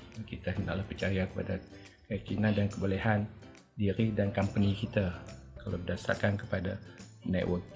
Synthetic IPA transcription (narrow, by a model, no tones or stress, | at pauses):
kit̪ahənda̰ʔlahpərt͡ʃajakə̥pa̰dakaakinadankəboleɦan | diɾidankampənikit̪akalabədasa̰rkankə̥padanɛt̪wʔək